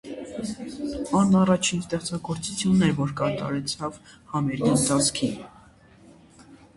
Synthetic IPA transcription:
ɑnːɑrɑt͡ʃʰinst̪ɛʁt͡sɑɡɔɾt͡sut͡sʰjunːɛvɔɾkɑt̪ɑ̰ɾɛt͡sʰɑvhɑmɛɾɡint̪ɑt͡sʰkʰin

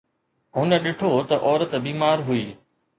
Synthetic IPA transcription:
ɦʊnə̆ɗɪʈʰot̪ɐʔɔːɾət̪biːmaːɾɦuiː

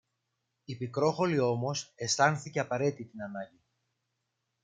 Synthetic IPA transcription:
ipikɾo̞xo̞lio̞mo̞se̞st̪ɐnθice̞ɐpɐɾe̞t̪it̪inɐnɐɟi

